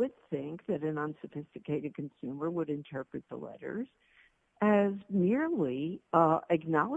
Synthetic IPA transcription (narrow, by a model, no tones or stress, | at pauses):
ɨd̪̚θɪ̃ŋk̚ðɨɾɨ̃nʌ̃nsɨfɪstɨkʰeɪɾɨd̚kʰn̩sʉmə˞wəɾɨ̃ntʰɜ˞pɹɨt̪̚ðə̰lɛ̰ɾə̰˞z̥ | ɨzmɪɹli | ɨknɑlˠə